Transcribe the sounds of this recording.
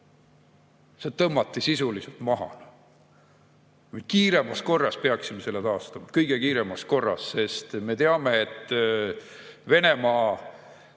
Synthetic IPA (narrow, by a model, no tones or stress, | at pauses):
set̪ɤmːɑt̪ːisisuliset̪mɑɦɑ̰n | kujd̪̥̚kiːɾe̞mɑsko̞rːɑspe̞ɑksimese̞lːet̪ɑːst̪ɑmɑkɤjɡ̥e̞kiːɾe̞mɑsko̞rːɑ̰sse̞st̪me̞t̪eɑme̞ːt̪ːˑ | ve̞ne̞mɑː